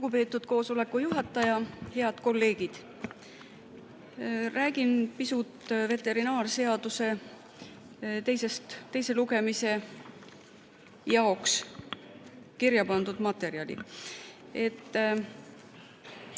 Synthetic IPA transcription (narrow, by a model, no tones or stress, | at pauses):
luɡ̥upe̞ːt̪ːˑud̪̥ko̞ːso̞le̞kːˑujuɦɑt̪ːˑɑjɑhe̞ɑd̪̥ko̞lːe̞ːɡ̥id̪̥ | ræːɡ̥inpisut̪ve̞t̪ːˑe̞ɾinɑːrse̞ɑd̪̥use̞ | t̪e̞jse̞st̪t̪ːe̞jse̞luɡe̞mise̞ | jɑoks | kiɾjɑpɑnd̪ud̪̥mɑt̪e̞ɾiɑlʲḭ | e̞t̪ː